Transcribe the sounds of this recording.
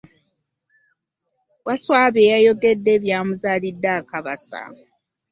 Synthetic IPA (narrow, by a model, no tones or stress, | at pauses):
waswaːβeːjajo̞ɡe̞dːe̞ːβjaːmuzaːlidːaːkaβasa̰